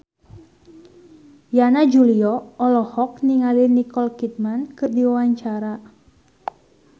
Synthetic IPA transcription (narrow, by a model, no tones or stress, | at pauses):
janad͡ʒuliɔɔlɔhɔk̚niŋalinikɔlkit̪̚mankɨrdiwawaɲt͡ʃaɾa